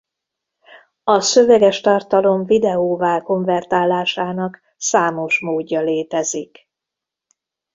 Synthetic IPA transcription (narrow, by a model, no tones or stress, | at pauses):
ɒsøvɛɡɛʃt̪ɒrt̪ɒlo̞ɱvid̪ɛoːvaːlko̞ɱvɛrt̪aːlːaːʃaːnɒk | saːmo̞ʃmoːɟːɒleːt̪ɛzik